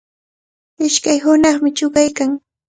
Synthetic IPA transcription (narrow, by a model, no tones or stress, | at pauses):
ɪʃkajɦʊnɑχmɪt͡ʃʊɢajkaŋ